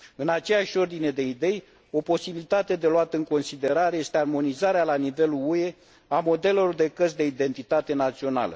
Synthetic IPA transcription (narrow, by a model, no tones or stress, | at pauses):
ɨnat͡ʃe̞jaʃʲo̞rd̪ine̞d̪e̞id̪e̞j | o̞po̞sibilit̪at̪e̞d̪e̞loat̪əɨŋko̞nsid̪e̞ɾaɾe̞je̞st̪earmo̞nizaɾealanive̞luue̞ | amo̞d̪e̞lelord̪e̞kəsd̪e̞id̪e̞nt̪it̪at̪e̞nat̪sio̞na̰lə̰